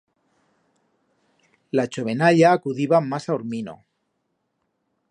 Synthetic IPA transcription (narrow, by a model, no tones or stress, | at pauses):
lat͡ʃoβenaʎaːkuðiβamasauɾmino̰